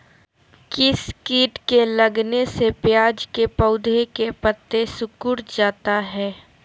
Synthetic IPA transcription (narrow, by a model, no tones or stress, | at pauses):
kɪskiːʈkelɐɡnesepjaːd͡ʒkepəʊd̪ʱekepət̪ːesʊkʊɽd͡ʒaːt̪aɦɛː